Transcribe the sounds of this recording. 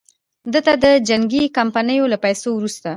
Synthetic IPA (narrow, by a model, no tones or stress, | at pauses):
d̪ət̪ad̪əd͡ʒaŋɡikampanəjolapajsowɾust̪a